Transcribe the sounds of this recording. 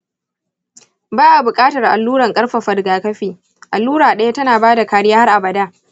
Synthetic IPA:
baː˦ʔa˨bʊ˨kʼaː˦tɐ˨rʔa̰˨lːuː˦ɽɐ˨ŋkʼɐ˦rɸa˨ɸɐ˨dɡaː˨kɐ˦ɸiː˨ | ʔa˨lːuː˦ɽaː˨ɗɐ˦ja˦tɐ˦naː˨baː˦da˨kaː˨ɽɪ˦jaː˦ha˦rʔa˨bɐ˨daː˦

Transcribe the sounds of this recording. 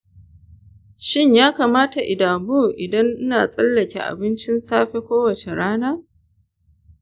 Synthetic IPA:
ʃɪ˦ɲjaː˦kaː˨maː˦ta˨ʔɪ˨daː˨bu˦˨ʔɪ˨dɐ˦ŋʔɪ˦naː˨sʼɐ˦lːɐ˨kʲḛ˨ʔa̰˨bɪ˦nt͡ʃɪ˦nsaː˦ɸe˦kʷoː˦wɐ˨t͡ʃe˨ɽaː˦naː˦

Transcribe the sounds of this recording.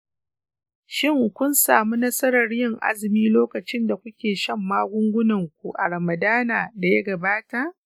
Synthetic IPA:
ʃɪ˦ŋ˨kʷʊ˦nsaː˨mu˦nɐ˦sɐ˦ɾɐ˨rjɪ˦ŋʔa̰˦zɪ˨miː˦loː˦kɐ˨t͡ʃɪ˦nda˨kʷʊ˦kʲeː˨ʃɐ˦˨mːaː˦ɡʷʊ˦ŋɡʷʊ˦nɐ˨ŋkʷu˨ʔa˨ɽɐ˨mɐ˨daː˦naː˨da˨ja˦ɡɐ˨baː˦ta˨ʔ

